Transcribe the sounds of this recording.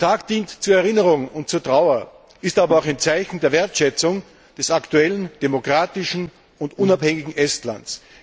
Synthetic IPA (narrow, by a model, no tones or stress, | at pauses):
tʰaːkd̥iːntt͡suːɐɛʁɪnəʁʊŋʊnt̚t͡suːɐtʁ̥aʊɐ | ɪstaːbɐaʊxaɪnt͡saɪçn̩deːɐveɐtʃɛt͡sʊŋ | d̥ɛsaktuɛlənd̥emokʁ̥aːtɪʃn̩ | ʊntʔʊnaphɛŋɪɡŋ̩ʔɛstla̰nt͡s